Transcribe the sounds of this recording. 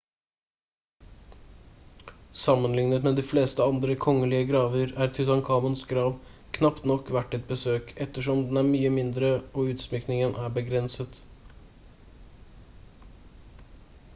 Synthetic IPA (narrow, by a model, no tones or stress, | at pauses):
sɑmːənlɪŋnət̪meːd̪iːfleːst̪əɑnd̪ɾəkʰɔŋəliːəɡɾɑːʋəɾæːɾt̪ʰɪt̪ɑŋkʰɑːmənsɡɾɑːʋ | kʰnɑpt̪nɔkːʋæʈːɛt̪̚bəsøːkʰɛt̪ːəʂɔmd̪ɛnæːɾmyːəmɪnd̪ɾəoʉːt̪smʏknɪŋənʔæːɾbəɡɾɛnsət̪